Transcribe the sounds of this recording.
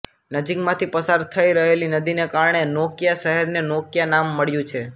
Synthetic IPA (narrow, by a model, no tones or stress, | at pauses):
nəd͡ʒikmãt̪ʰipəsaɾt̪ʰəiɾəɦelinəd̪inekaɾɳ̃enokjaʃəɦɛɾnenokjanamːəɭjũt͡ʃʰe